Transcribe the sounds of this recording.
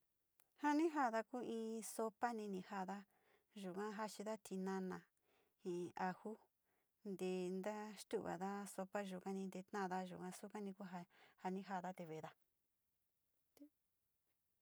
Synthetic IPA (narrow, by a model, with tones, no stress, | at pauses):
ha˦nĩ˦ɦa˦˨ða˧ku˦ĩː˧so˧pa˦nĩ˧nĩ˧ha˧ða˦ | ʒu˨kã˦ɦa˦t͡ʃi˧ða˦t̪ʰi˧nã˧nã˨ | hĩ˨a˧hu˦ | nd̪e˧nd̪a˦ʂt̪u˦ʔβa̰˨ða˦so˧pa˦ʒu˨kã˦nĩ˧nd̪e˧t̪nã˦˨ða˦ʒu˨kã˦su˦ka˦nĩ˧ku˦ɦa˧ha˧nĩ˦ɦa˧ða˦t̪e˧βe˨ða˦